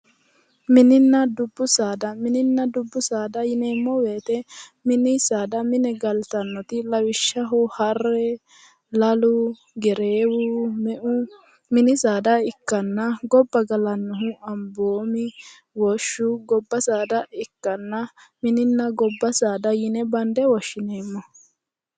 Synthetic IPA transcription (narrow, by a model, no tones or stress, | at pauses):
mɪnɪnːɐd̪ʊbːʊsaːd̪ɐmɪnɪnːɐd̪ʊbːʊsaːd̪ɐjɪnɛmɔweːt̪ɛmɪnɪsaːd̪ɐmɪnɛɡɐlt̪ɐnːɔt̪ɪlɐwɪʃːɐɦɔhɐrːɛ | lɐlʊ | ɡɛɾeːwʊmɛʔʊ | mɪnɪsaːd̪ɐɪkːɐnːɐɡɔbːɐɡɐlɐnːʊɦʊʔɐmboːmɪ | wɔʃːʊɡɔbːɐsaːd̪ɐɪkːɐnːɐmɪnɪnːɐɡɔbːɐsaːd̪ɐjɪnɛbɐnd̪ɛwɔʃːɪneːmːɔ